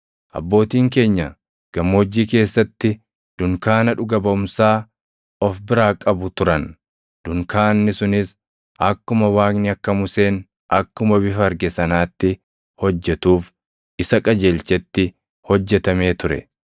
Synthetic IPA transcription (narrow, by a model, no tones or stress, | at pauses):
ʔɐ̰bːo̞ːt̪iːŋk̬e̞ːɲːɐ | ɡ̥ɐmːo̞ːd͡ʒːiːke̞ːsːɐt̪ːɪ | d̪̥ʊŋkaːnɐᶑʊɡɐbɐʊmsaː | ɔfbɪɾaːkʼɐbʊt̪ʊɾɐn | d̪̥ʊŋkaːnːɪsʊnɪs | ʔɐkːʊmɐwaːknɪɐkːɐmʊse̞ːn | ʔɐkːʊmɐbɪfɐːɾɡɛsɐnaːt̪ːɪ | hɔd͡ʒːɛt̪uːf | ʔɪsɐkʼɐd͡ʒeːlt͡ʃɛt̪ːɪ | hɔd͡ʒːɛt̪ɐme̞ːt̪ʊɾɛ̰